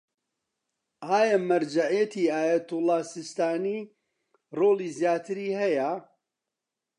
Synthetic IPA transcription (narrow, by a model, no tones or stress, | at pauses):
ʔaːjɐmɐɾd͡ʒaʕijɐt̪ʰiːaːjɐt̪ʊlˠːɑːsɪst̪aːniː | roːliːzjaːt̪ʰɨɾiːhɐjɐ